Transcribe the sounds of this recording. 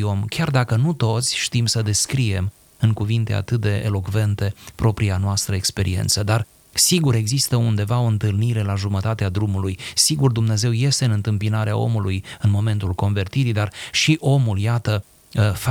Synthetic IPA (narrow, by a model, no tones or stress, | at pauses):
o̞mkʲard̪akənut̪o̞t̪sʲʃt̪imsəd̪e̞skɾie̞m | ɨŋkuvint̪e̞̰a̰t̪ɨt̪̚d̪e̞ʔḛlo̞kve̞nt̪e̞pɾo̞pɾianoast̪ɾəe̞kspe̞ɾḭḛnt̪səd̪ar | siɡuɾe̞ɡzist̪əund̪e̞vao̞ɨnt̪ɨlniɾe̞laʒumət̪at̪ead̪ɾumulujsiɡurd̪umne̞ze̞wje̞st̪e̞ɨnɨnt̪ɨmpinaɾea̰o̞̰mulujɨnmo̞me̞nt̪ulko̞nve̞rt̪iɾid̪arʃiʔo̞muljat̪ə | f